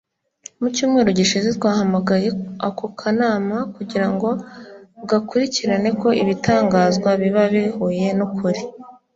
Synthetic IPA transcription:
mucuːmŋe̞ːɾo̞ɟiʃizetwaːhamaɡajeakukʰanaːmakuɟiɾaŋɡo̞βɡakuɾiciɾane̞ko̞ʔiβitaːŋɡaːzɡwaβiβaβihuːje̞nukʰuɾi

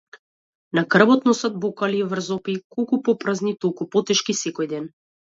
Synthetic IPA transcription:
naɡr̩bɔt̪nɔsad̪̚bɔkalivr̩zɔpikolˠkupɔpɾaznit̪ɔlˠkupɔt̪ɛʃkisɛkɔjd̪ɛn

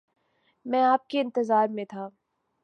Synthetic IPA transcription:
mɛ̃ːaːp̚keɪ̃nt̪əzaːɾmẽt̪ʰaː

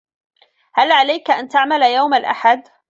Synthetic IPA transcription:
halʕalajkaʔant̪aʕmaljawmalʔa̰ħad̪

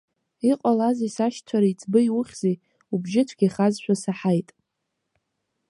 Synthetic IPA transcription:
iqʼalazisaʃt͡sʷʰaɾait͡sʰʼbɨjwʊχʲz̥ej | ubʒɪt͡sʷʰɡʲaχazʃʷᶣasaħajtʼ

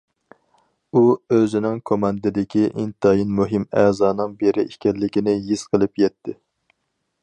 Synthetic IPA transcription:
uøzɪnɪŋkʰomɑnd̪ɪd̪ɪkʲiʔint̪ɑjinmuɦɪmɛːzɑːnɨŋbeɾɪiʃkʲɛllːɪkʲinɪjiz̥qʰəlˠɨpjɛt̪ʰːɪ

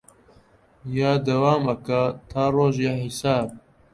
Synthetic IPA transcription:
jaːd̪ɐwaːmɐkɐt̪ʰaːroːʒjahɪsaːb̚

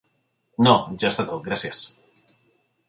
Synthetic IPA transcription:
nod͡ʒoest̪at̪oɡɾasjas

